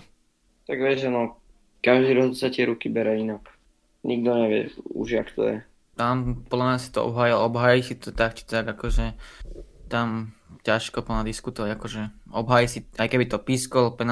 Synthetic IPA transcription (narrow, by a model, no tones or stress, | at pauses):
t̪aɡʋɛʒanɔ | kaʒd̪iɾɔɦɔt̪sat̪ɪɛɾukibɛɾɛinak | ɲiɡ̚d̪ɔɲɛʋɪɛ̰ṵʒakt̪ɔ̰jɛ̰ | t̪ampɔd̪lamɲasi̥t̪ɔɔ̰bɦaːjilɔɔbɦaːjisit̪ɔt̪ak̚t͡ʃi̥t̪aɡakɔʒɛ | t̪amcaʃkɔpl̩ɲad̪iskut̪ɔʋaɟakɔʒɛɔbɦaːjisiajkɛbit̪ɔpiskɔlpɛn